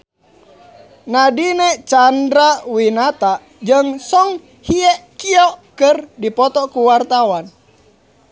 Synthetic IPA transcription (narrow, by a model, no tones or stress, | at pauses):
nadinɛt͡ʃandɾawinat̪a | d͡ʒəŋsɔŋ | hiɛkiɔʔkərdipɔt̪ɔkuwart̪awan